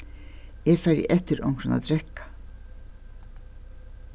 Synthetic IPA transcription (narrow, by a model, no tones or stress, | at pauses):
jeːfæɖɪ̰ʔɛt̪əɾɔ̰ŋkɹənɑ̰ːd̪ɾɛkɑ̥